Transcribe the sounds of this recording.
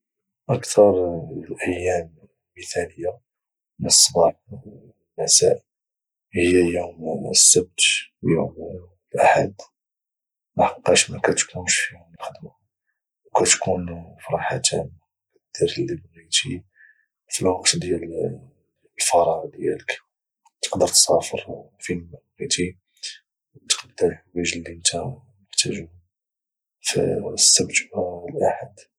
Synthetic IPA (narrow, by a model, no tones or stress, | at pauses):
ʔəkt̪ʰɑɾˤlʔæjːæm | lməθæləjːa | mənəsˤːbɑħ | mæsæʔ | həjːæjumsːəb̚t̪wjṵm | lʔaħa̰d̪ | maħqːɑʃmækæt̪kʰunʃfihʊmlxəd̪m | wkæt̪kʰunfɑɾˤɑħat̪ʰæ̰ma | d̪̥ːiɾlːibnit̪i | filwɑqt̪d̪jæl | lfɑɾˤɑʔd̪jæ̰lək | t̪ə̥qd̪əɾt̪sɑfəɾfilmæbnit̪i | t̪qd̪əlwæʒlːiənt̪æmnəħt̪æʒu | fḭsːəbt̪baəlʔaħad̪